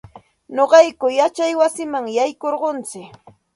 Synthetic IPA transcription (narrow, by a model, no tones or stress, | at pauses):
ɲoɢɑjkʊjat͡ʃajwasɪmaŋjajkoɾɢont͡sɪk